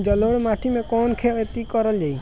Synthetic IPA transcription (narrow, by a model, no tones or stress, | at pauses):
d͡ʒɔloɽmaʈʰimẽkɔnkʰeet̪ikɔɾəld͡ʒai